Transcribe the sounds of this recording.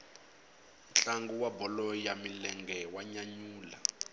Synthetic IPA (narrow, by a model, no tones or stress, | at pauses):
t͡ɬaŋɡuwabɔlɔjamilɛŋɡɛwaɲaɲuːla̰